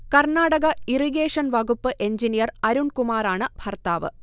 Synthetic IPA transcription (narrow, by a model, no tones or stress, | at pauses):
kɐrɳaːɽɐɣɐiriɣeːʂɐnʋɐɡupːɨʔe̞ɲd͡ʑinijɐrɐɾuɳkumaːraːɳɨbʱɐrt̪aːʋɨ̰